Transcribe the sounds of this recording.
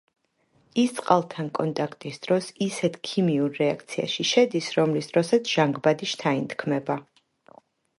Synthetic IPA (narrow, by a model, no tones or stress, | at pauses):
ist̪sʼqʼalˠt̪ʰankʼɔnt̪ʼakʰt̪ʼisd̪̥ɾɔsisɛt̪ʰkʰimiuɾːɛak̚ʰt̪sʰia̰ʃiʃɛd̪isɾɔmlisd̪ɾɔsat̪sʰʒ̥aŋɡbad̪iʃt̪ʰaint̪ʰkʰmɛba